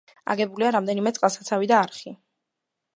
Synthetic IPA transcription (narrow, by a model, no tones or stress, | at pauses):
a̰ɡɛbuliaɾamd̪ɛnimɛt̪sʼqʼlasat̪sʰavid̪aːɾχi